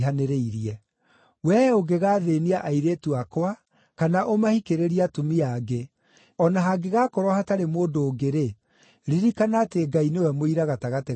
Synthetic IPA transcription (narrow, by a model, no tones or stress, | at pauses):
ɦaneɾeiɾiɛ | wɛoɡeɣaːðeːniaʔaiɾeːtuakwa | kanaʔomahikeɾeɾiatumiaɡe | ɔnaɦaɡeɣaːkɔɾɔhataɾemoːndoːɡeɾe | ɾiɾikanateːɡainewɛmoiɾaɣataɣate